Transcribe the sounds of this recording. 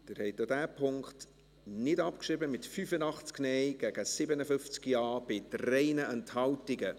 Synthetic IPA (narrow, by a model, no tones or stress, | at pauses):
d̥ɪːɾhɛɪtːodæːpʰʊŋkχt | nɪdɑpkʃɾɪbəmɪtfyfənɑχt͡sknɛɪɡ̥æɡ̥əsɪbənəfʏft͡skjɑːb̥ɪtrɛɪnəʔɛnthɑltɪɡə